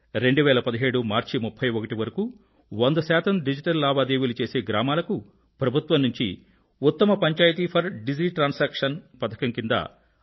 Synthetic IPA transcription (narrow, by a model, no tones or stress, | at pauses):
ɾe̞ɳɖuʋɛːlɐpɐd̪iɦe̞ːɽumaːɾt͡ʃimupʰːɐjokɐʈiʋɐɾɐku | ond̪ɐsɛːt̪ɐmɖid͡ʒiʈɐlːaːbaːd̪eːʋilut͡ʃe̞ːseːɡɾaːmaːlɐku | pɾɐbʱut̪ʋɐmnuɲt͡ʃḭ | ut̪ːɐmɐpɐɲt͡ʃaːjɐt̪̬iːpʰɐɾɖid͡ʒiːʈɾaːnsaːkʂɐnpɐt̪ʰɐ̥kɐŋkind̪ɐ̰